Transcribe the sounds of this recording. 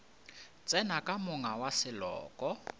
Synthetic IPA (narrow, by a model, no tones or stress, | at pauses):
t͡sʼɛnakʼamʊŋawasɪlɔ̰ːkʼɔ